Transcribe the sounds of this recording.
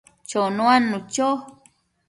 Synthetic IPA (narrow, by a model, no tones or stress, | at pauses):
t͡ʃonũanːũt͡ʃo